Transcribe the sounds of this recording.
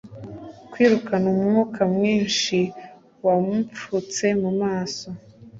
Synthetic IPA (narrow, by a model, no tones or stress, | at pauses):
kwiːɾukanumŋukʰamŋiːnʃi | wamufut͡se̞mumaːso